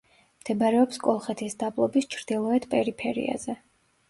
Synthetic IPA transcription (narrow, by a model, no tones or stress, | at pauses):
md̪̥ɛbaɾɛɔpskʼɔlˠχɛt̪ʰisd̪ablˠɔbist͡ʃʰɾd̪̥ilˠɔɛt̪ʰpʼɛɾipʰɛɾḭa̰zɛ